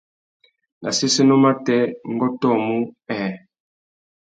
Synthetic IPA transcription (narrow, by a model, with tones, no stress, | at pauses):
nʔa̰˨se˦se˦no˦ma˦tɛ˦ŋ˦ɡɔ˦tɔ˦˨mu˦ɛ˨